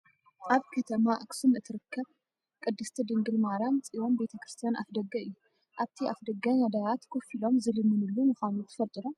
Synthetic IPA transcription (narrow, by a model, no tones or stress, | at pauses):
ʔaβkʰɐt̪ʰɐmaʔaksɨnɨt̪ʰɨɾɨkːɐβ | kʼɨd̪ːɨst̪ʰɐd̪ɨŋɡɨlmaɾant͡sʼiwo̞mbe̞t̪ʰɐkɾɨst̪ʰijanafd̪ɐɡɐɨjːu | ʔaβt̪ʰiafd̪ɐɡːɐnad̪ajat̪kʰofilo̞mzɨlɨmɨnɨlːumɨxanut̪ʰɨ̥fɐlt̪ʼɨɾo